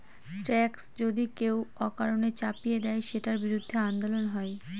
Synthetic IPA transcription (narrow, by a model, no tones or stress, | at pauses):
ʈɾɛksd͡ʑod̪ikewɔkaɾonet͡ɕapijed̪ɛeʃeʈaɾbiɾud̪ʱːeand̪olonɦɔe